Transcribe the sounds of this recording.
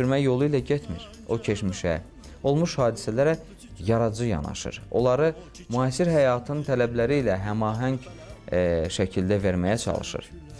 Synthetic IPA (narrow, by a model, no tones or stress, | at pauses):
yɾmæjo̞lˠuilæɟet̪ʰmḭɾ | o̞cʰe̞ʃmiʃæ̰ | o̞lˠmuʃhɑːd̪isælæɾæ | jɑɾɑd͡ʒɯjɑ̰nɑ̰ʃɯ̰ɾo̞̰lˠɑɾɯ | muɑːsiɾɦæjɑːt̪ʰɯnnt̪ʰælæblæɾiːlæɦæmɑːɦæɲɟ | ʃæcʰild̪æveɾmæjæt͡ʃʰɑ̰lˠɯ̰ʃɯ̰ɾ